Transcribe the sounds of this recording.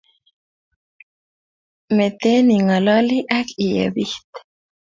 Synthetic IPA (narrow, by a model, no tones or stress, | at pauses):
met̪eniŋalɔliʔakijḛβiht̪